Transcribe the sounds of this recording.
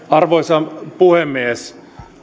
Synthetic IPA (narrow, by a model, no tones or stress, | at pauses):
ɑrʋoisɑpuhemːies